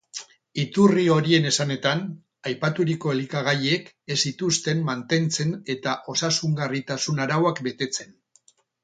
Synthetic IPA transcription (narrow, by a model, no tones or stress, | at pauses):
it̪urio̞ɾie̞ne̞sane̞t̪an | ajpat̪uɾiko̞elikaɣaje̞k | e̞sit̪ust̪e̞mmant̪e̞nt͡se̞ne̞t̪aʔo̞sasuŋɡarit̪asunaɾawakbe̞t̪e̞t͡se̞n